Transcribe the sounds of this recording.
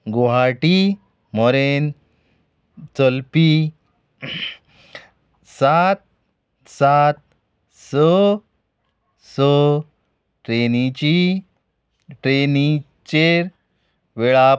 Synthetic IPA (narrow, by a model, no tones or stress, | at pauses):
ɡoɦaʈi | mɔɾen | t͡səlpi | sat̪̚ | sat̪̚ | sɔ | sɔ | ʈɾenit͡ɕi | ʈɾeni | t͡ɕeɾ | ʋeɭa